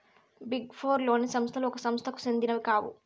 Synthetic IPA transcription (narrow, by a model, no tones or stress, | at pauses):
biɡfʰoːɾlo̞ːnisɐmst̪ʰɐluɔkɐsɐmst̪ʰɐku̥sind̪inɐʋikaːwṵ